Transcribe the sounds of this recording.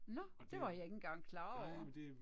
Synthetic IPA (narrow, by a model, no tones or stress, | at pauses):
nɒ | d̥e̝ʋɑ̈jɑe̝ɡn̩ɡ̥ɑ̈ŋ̰kʰlɑ̈ːɒ̥